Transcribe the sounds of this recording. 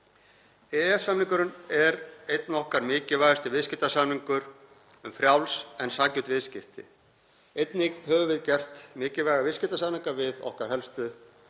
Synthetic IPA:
ɛɛfsamniŋkʏɾʏnɛɾejt̪nɔhkaɾmɪːcɪvajɣast̪ɪvɪðscɪht̪asamniŋkʏɾ | ʏmfɾjawlsɛnsaːcʏt̪vɪðscɪht̪ɪ̰ | ejt̪nekt̪hœvʏvɪðcɛr̥t̪mɪːcɪvajɣavɪscɪht̪asamniŋkavɪðɔ̰hkaɾ̥hɛlst̪ʏ

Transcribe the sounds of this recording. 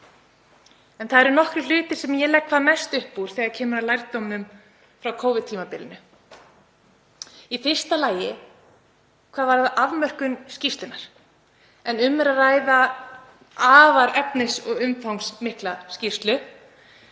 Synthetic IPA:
ɛnθaðɛɾnɔhkɾɪl̥ʏːt̪ɪ̥sɛmjɛlɛkʰvaðanajst̪ʏhpːuɾ̥θɛːɣaɾcʰɛːmʏɾalajɾt̪owmʏm | fɾawkʰoːwvɪðt̪ʰːiːmapɪlɪnʏ | ifɪr̥st̪alaːjɪ | kʰvaːðvaɾðaʔavmœr̥kʏnscist̪lɪnaɾ̥ | ɛnʏmːɛɾaraːjða | aːvaɾɛpnɪsɔɣʏmfawŋksmɪhklascir̥st̪lʏ

